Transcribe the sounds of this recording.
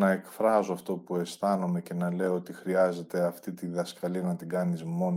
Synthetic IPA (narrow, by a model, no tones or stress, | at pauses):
nɐekfɾɐzoɐft̪o̞pue̞st̪ɐnome̞ce̞nɐle̞oo̞t̪ixɾiɐze̞t̪e̞ɐft̪it̪iðɐskɐliɐnɐt̪iɡɐnizmo̞n